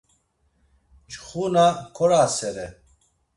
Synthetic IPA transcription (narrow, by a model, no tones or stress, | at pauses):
t͡ʃχunakʰɔɾasɛɾɛ